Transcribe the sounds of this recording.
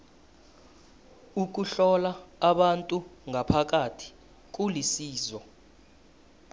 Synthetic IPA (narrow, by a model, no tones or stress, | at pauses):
uk̬uɬɔlaːɓantʼuŋʱapʰak̬ʼatʰi̥ | k̬ulisiːzɔ